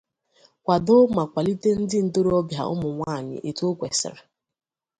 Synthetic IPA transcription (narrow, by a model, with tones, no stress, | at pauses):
kʷa˨dʊ˦ma˨kʷa˨li˦te˦n̩˦dɪ˦n̩˨to˦ɾɔ˦bja̰˨ʊ̰˦mʊ˨ŋʷaː˦˨ɲɪ̰˨ʔe˨tu˦o˦kʷe˨sɪ̰˨ɾɪ˨